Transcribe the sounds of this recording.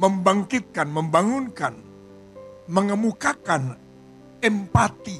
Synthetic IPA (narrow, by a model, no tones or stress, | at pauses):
məmbaŋkɪt̪̚kanməmbaŋunkan | məŋəmukakan | ɛmpat̪i